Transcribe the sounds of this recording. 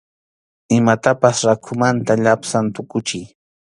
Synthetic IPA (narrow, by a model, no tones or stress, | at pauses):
ɪmat̪apasɾakʰʊmant̪aʎapsant̪ʊkʊt͡ʃɪj